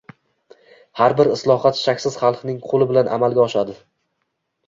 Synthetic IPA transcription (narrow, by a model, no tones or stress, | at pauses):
haɾbɪɾɪslˠɒhat̪ʃakʲsɪz̥χɑlˠnɪŋqʰolˠɪbɪlanʔa̰malˠɡʲaɒʃad̪ɪ